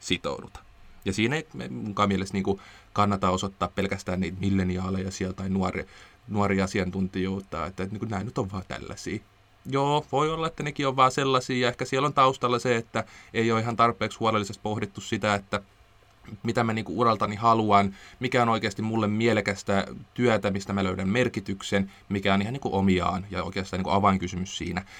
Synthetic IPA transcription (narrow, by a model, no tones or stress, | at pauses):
sit̪o̰udut̪ɑ̥ | jɑsiːneiemuŋkɑːmielest̪niːŋkukɑnːɑt̪ɑosot̪ːɑːppelkæst̪æːniːt̪milːeniɑːlejɑsiɛlt̪ɑinuɑrḛ | nuɑɾiɑsiɑnt̪unt̪ijout̪ːˑɑ̰ːḛt̪ːæniːkunæːnyt̪oʋʋɑːt̪æ̰lːæ̰sḭː | joːʋoiolːɑet̪ːænekioʋʋɑːselːɑsiːjɑehkæsielont̪ɑust̪ɑlːɑseet̪ːæeioihɑnt̪ɑrpːˑeːkshuɑlelːisest̪̚pohdit̪ːussit̪æet̪ːæ | mit̪æmæniːŋkuurɑlt̪ɑnihɑluɑnmikæonoikeɑst̪immulːemmielekæst̪æt̪yæt̪æmist̪æmæløydæmmerkit̪yksen | mikæonihɑniːkuʔomiɑ̰ːnjɑo̰ikeɑst̪ɑːniŋkuʔɑʋɑiŋkysymyssḭːnæ